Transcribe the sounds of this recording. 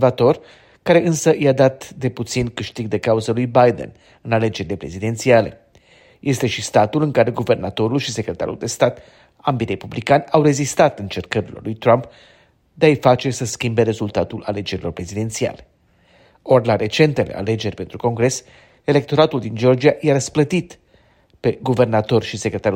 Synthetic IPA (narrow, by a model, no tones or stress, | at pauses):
vat̪o̞r | kaɾe̞ʔɨnsəjad̪at̪d̪e̞put̪sinkɨʃt̪iɡ̚d̪e̞kauzəlujbajd̪ḛn | ɨnale̞d͡ʒe̞ɾile̞pɾe̞zid̪e̞nt̪siale̞̰ | je̞st̪e̞ʃist̪at̪ulɨŋkaɾe̞ɡuve̞rnat̪o̞ɾulʃise̞kɾe̞t̪a̰ɾṵld̪e̞st̪at̪ | ambiɾe̞publikanʲawre̞zist̪at̪ɨnt͡ʃe̞rkəɾilo̞̰rlujt̪ɾamp | d̪eaijfat͡ʃe̞səskʲimbe̞ɾe̞zult̪at̪ulale̞d͡ʒe̞ɾilo̞rpɾe̞zid̪e̞nt̪sia̰le̞ | o̞rʲlaɾe̞t͡ʃe̞nt̪e̞le̞̰a̰le̞d͡ʒe̞rʲpe̞nt̪ɾuko̞ŋɡɾe̞s | e̞le̞k̚t̪o̞ɾat̪uld̪ind͡ʒo̞rd͡ʒiaʔjaɾəsplət̪it̪ | pe̞ɡuve̞rnat̪o̞rʃisekɾe̞t̪aɾu